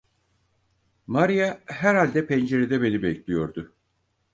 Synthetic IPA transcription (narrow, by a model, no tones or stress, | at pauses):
maɾijaɦæɾhalʲd̪ɛpʰɛnd͡ʒe̞ɾed̪ɛbe̞nibɛclʲijo̞ɾd̪ʊ